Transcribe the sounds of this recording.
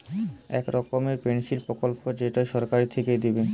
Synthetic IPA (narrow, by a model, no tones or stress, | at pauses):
ɛkɾɔkomeɾpensiɾpɾokolpod͡ʑeʈajʃɔɾkaɾit̪ʰeked̪ibe